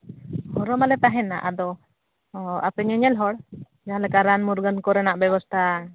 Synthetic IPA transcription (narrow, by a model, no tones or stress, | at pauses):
hɔɾɔmalɛt̪aɦɛna̰ʔad̪ɔ | apɛɲɛɲɛlɦɔɽ | d͡ʒaalɛkaɾanmuɾɡənkɔɾɛnaʔbɛbɔst̪ʰa